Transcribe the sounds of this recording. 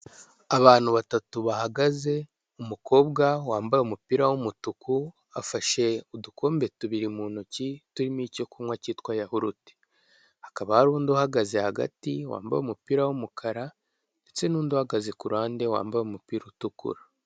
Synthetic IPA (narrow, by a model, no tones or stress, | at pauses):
aβaːn̥huβatatuβahaɡaze̞ | umuko̞ːbɡawaːmbajeumupiːɾawumutuku | a̰faʃe̞udukʰo̞ːmbe̞tuβiɾimuːnucituɾimico̞kumwaciːtkwajahuɾute̥ | hakaβahaɾuːnduhaɡaze̞haɡa̰tiwa̰ːmba̰jumupiːɾawumukʰaɾa | nde̞t͡se̞nuːnduhaɡazekuɾaːnde̞wa̰ːmbajumupiːɾutukṵɾa